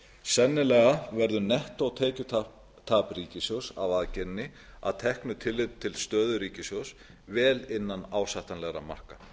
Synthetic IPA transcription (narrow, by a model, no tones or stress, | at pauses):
sɛnːɪlɛːɣavɛɾðʏnɛht̪aɣt̪ʰeːcʏt̪ʰ | t̪ʰaːpriːcɪsjowsa̰vaðcɛnːɪa̰ðt̪ʰɛhknʏt̪ʰɪlːɪt̪ʰːɪlst̪œːðʏɾiːcɪsjows | vɛːlɪnːanaːwsaht̪anlɛɣɾa̰ma̰r̥ka